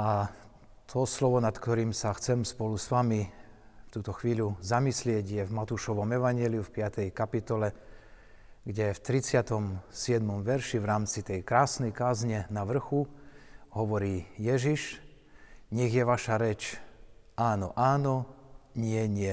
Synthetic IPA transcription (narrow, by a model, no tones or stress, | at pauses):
ʔa | t̪ʰɔslɔʋɔnat̪kt̪ɔɾiːmsaxt͡sɛmspɔlusʋami | ft̪uːt̪ɔxʋiːluzamislɪɛɟjɛvmat̪uːʃɔʋɔmɛʋaɲjɛliufpɪat̪ɛjkapit̪ɔlɛ | ɡɟɛft̪ɾit͡sɪat̪ɔmsɪɛd̪mɔmʋɛɾʃiʋɾaːmt͡sit̪ɛjkɾaːsnɛjkaːzɲɛnaʋr̩xu | ɦɔʋɔɾiːjɛʒiʃ | ɲɛɣjɛʋaʃaɾɛt͡ʃ | aːnɔʔaːnɔɲɪɛɲɪɛ